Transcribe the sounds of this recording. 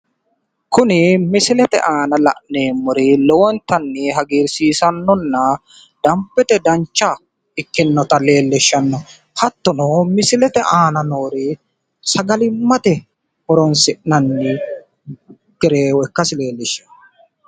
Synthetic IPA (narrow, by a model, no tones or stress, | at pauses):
kʊnɪmɪsɪlɛt̪ɛ̰ʔaːnɐlɐ̰ʔneːmːʊɾɪlɔwɔnt̪ɐnːɪɦɐɡiːɾsiːsɐnːɔnːɐ | d̪̥ɐmpːɛt̪ɛd̪ɐɲt͡ʃːɐ | ɪkːɪnːɔt̪ɐle̞ːlːɛʃːɐnːɔ | hɐt̪ːɔnɔmɪsɪlɛt̪ɛʔaːnɐnoːɾɪ | sɐɡɐlɪmːɐt̪ɛ | hɔɾɔnsɪʔnɐnːɪ | ɡ̥ɛɾeːwɔɛkːɐsɪle̞ːlːɛʃːɐnː